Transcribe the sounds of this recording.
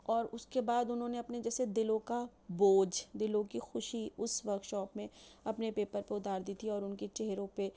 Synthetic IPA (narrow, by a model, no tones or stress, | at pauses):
ɔːɾʊskebaːd̪ʊnɦõːneɐpned͡ʒɛːsed̪ɪlõka | boːd͡ʒd̪ɪlõkixʊʃiʊsʋɐɾkʃɔːpmẽɐpnepeːpəɾpeʊd̪aːɾd̪iːt̪ʰiɔːɾʊnket͡ʃɛɦɾõpe